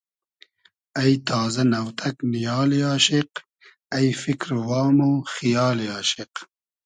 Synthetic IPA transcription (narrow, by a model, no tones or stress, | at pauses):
ɐjt̪ʰaːzɐnɐwt̪ʰɐknijɑːlaːɕiq | ɐjfikɾwɑːmoxijɑːlaːʃɪq